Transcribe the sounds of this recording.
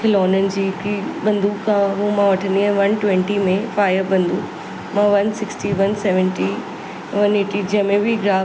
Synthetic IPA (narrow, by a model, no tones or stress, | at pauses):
kʰɪlɔːnənɪ̆d͡ʑiːkiɓɐ̃nd̪uːkʰãɦũmãʋɐʈʰənd̪iə̃ʋɐnʈwɛ̃ɳʈimẽfaːjəɾbɐ̃nd̪uː | mãʋɐnsɪksʈiʋɐnsɛːʋə̃nʈi | ʋɐneːʈid͡ʑiəmẽbɪɡɾaː